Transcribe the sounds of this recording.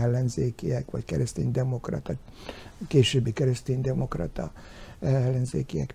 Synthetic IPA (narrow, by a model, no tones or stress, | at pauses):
ɛlːɛnzeːkiɛkʋɒckɛ̰ɾɛst̪ḛːnd̪ɛmo̞krɒ̰t̪ɒ | keːʃøːbːikɛɾɛst̪eːnd̪ɛmo̞krɒ̰t̪ɒ̰ | ɛɛlːɛnzḛːkijɛ̰k